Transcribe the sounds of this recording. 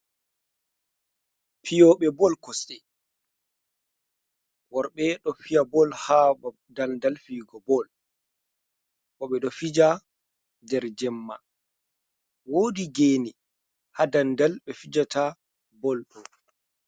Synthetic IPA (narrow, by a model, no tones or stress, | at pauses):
pʰijɔːɓɛbɔlkɔsɗɛ | wɔɾɓɛɗɔfijabɔlhaba | dalndalfiːɡɔbɔl | kɔɓɛɗɔfid͡ʒa | dɛɾd͡ʒɛmːa̰ | woːdiɡeːni | hadandalɓɛfid͡ʒata | bɔlɗɔ